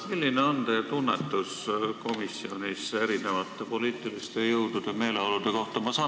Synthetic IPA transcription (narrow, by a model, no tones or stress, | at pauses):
milːineont̪et̪unːe̞t̪ːˑusko̞misːio̞nise̞ɾine̞vɑt̪ːˑe̞po̞liːt̪ːˑilist̪e̞jɤwd̪̥ud̪̥e̞me̞ːleolud̪̥e̞ko̞ht̪ɑmɑsɑ